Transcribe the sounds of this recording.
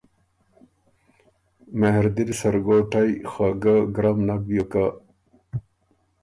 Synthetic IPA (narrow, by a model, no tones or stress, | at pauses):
meɦɾd̪iɾisɐɾɡoʈajxaɡaɡɾamnak̚bjoka